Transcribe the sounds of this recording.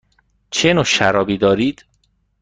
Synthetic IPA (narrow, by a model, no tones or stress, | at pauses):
t͡ʃʰenoʃæɾɒːbiːd̪ɒːɾiːd̪̥